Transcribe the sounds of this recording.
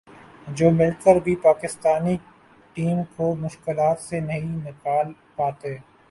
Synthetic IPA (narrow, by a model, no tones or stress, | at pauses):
d͡ʒoːmɪlkəɾbʱipaːkɪst̪aːni | ʈiːmkomʊʃkɪlaːt̪senɐɦĩnɪkaːl | paːt̪eː